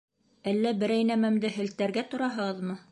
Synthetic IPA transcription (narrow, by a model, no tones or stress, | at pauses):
ælːæbɘ̆ɾæjnæmæmd̪ɘɦɘ̆lt̪ːæɾɡæt̪ŏɾɑɦɤ̆ʁɤðmɤ